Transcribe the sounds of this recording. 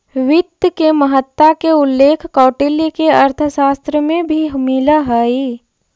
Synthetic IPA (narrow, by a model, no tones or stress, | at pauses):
ʋɪt̪ːkeməɦət̪ːwakeʊlːeːkʰkɔːʈelikeɐɾt̪ʰəʃaːst̪ɾəmẽbʱiɦmiːlaɦaːi